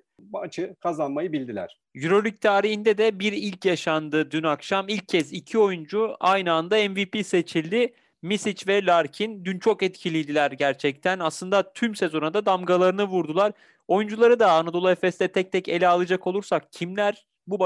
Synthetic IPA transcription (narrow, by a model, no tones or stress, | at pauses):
at͡ʃʰɯkʰazanmajɯbilʲd̪ilʲæ̰ɾ̥ | jyɾo̞lʲyc̚t̪ʰaːɾihind̪ɛd̪ɛbiɾilʲcjaʃand̪ɯd̪ynakʃamilʲc̚ʰːɛzicʰio̞jund͡ʒuajnɯand̪aɛnvipise̞t͡ʃʰilʲd̪ɪ | misit͡ʃvɛlʲaɾcʰind̪ynt͡ʃʰo̞kɛt̪cʰilʲijd̪ilʲæɾɟæɾt͡ʃʰɛc̚t̪ʰænaslˠɯnd̪at̪ʰymse̞zo̞nad̪ad̪amɡalˠaɾɯnɯvuɾd̪ulˠaɾ | o̞jund͡ʒulˠaɾɯd̪aːnad̪o̞lˠaɛfɛst̪ɛt̪ʰɛc̚t̪ʰɛce̞̰lʲɛalˠad͡ʒako̞lˠuɾsakcʰimlʲæɾ | bub